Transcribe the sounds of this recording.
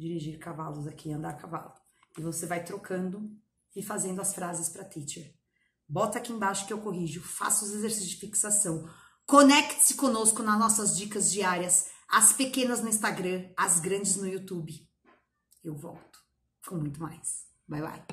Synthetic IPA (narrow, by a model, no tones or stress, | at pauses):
d͡ʒiɾiʒiɾkavalʊzakiɐ̃nd̪aɾkava̰lʊ | ɪvosevajt̪ɾokʰɐ̃nd̪ʊ | ɪfazẽnd̪ʊɐsfɾazɪspɾɐt̪it͡ʃeɾ | bɔt̪ɐakiẽbaʃʊ̥kɪewkoɦiʒʊfa̰sʊzezeɾsisʊzd͡ʒɪfiksasɐ̃w̃ | konɛkt̪ɪ̥sɪ̥kõnoskʊnɐznɔsɐzd͡ʒikɐzd͡ʒiaɾjɐsɐspekẽnɐznʊĩst̪aɡɾɐ̃ɐzɡɾɐ̃d͡ʒɪznʊjut̪ubɪ | ewvɔ̰wt̪ʊ̥ | kʰõmũj̃t̪ʊma̰js | bajla̰j